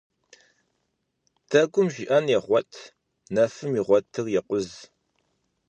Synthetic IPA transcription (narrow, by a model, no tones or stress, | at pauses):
d̥ʰɐɡʷʊmʒiʔɐnjɛχʷɔtʰ | nɐfɨmiʁʷɔtʰɨrjɛqʷʊz